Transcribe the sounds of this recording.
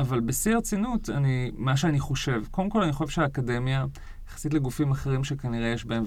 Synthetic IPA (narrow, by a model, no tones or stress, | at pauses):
ʔavalbesiaʁt͡sinuta̰nimaʃ̬eaniχo̞ʃe̞vko̞lemko̞laniχo̞ʃevʃeaːkade̞mja | jeχḁsit̬leɡufimaχeʁimʃekaniʁe̞jeʃbaem